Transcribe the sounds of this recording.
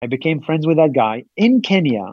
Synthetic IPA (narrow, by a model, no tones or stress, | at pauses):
aɪbɨkʰẽɪ̃ɱfɹɛ̃ndzwɨðɨt̚ɡ̥aɪɪ̃nkʰɛ̃njɨ̰